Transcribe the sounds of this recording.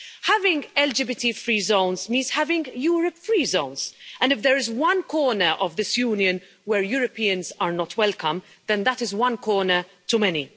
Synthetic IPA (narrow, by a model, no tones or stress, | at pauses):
hævɪ̃ŋɡɛld͡ʒɪbɪtifɹiːzõʊ̃nzmĩːnz̥hævɪ̃ŋɡjuːɹəpfɹiːzõʊ̃nz̥ə̃ndɪfðɛɹɪzwʌ̃nkʰɔːnəʔɔvðɪsjuːnjə̃n | wɛɹjuːɹəpiːə̃nzəɹnɔtʰwɛlkʰə̃m | ðɛ̃nðətɪzwʌ̃nkʰɔːnə | tumɛni